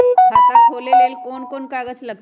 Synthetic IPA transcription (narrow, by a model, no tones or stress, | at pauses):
kʰakakʰolelelkonkonkaɡət͡ʃləɡ̚